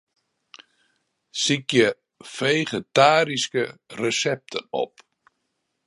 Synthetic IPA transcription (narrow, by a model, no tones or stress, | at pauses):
sikjə | fejχetaːɾiskərəsɛp̚tʰə̰nɔ̰p̚